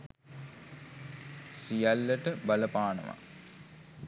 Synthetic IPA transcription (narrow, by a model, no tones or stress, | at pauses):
sijalːəʈəbɐləpaːnə̰ʋa̰